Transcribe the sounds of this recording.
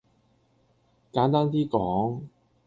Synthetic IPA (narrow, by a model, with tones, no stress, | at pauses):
kaː˨˥nt̪aː˥nt̪iː˥kɔː˨˥ŋ